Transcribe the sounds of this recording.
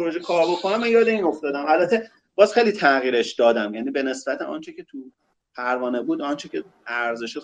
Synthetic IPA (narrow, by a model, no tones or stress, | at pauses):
oɾoʒekʰɒːɾbo̞kʰonæmːænjɒːd̪eiːno̞ft̪ɒːd̪æmælbæt̪ʰːe | b̥ɒːzxejlit̪ʰæɣiːɾe̞ʃd̪ɒːd̪æmjæniːbe̞ne̞sbæt̪ʰḛɒ̰nt͡ʃʰecʰe̞t̪ʰu | pʰæɾvɒːnebuːd̪ɒnt͡ʃʰecʰe | æɾze̞ʃi